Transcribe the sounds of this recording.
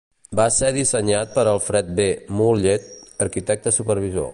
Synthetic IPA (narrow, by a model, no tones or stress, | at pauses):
basɛðisəɲat̪̚pəɾəlˠfɾɛt̪̚bemuʎet̪̚əɾkit̪ɛk̚t̪əsupəɾβ̞izo̰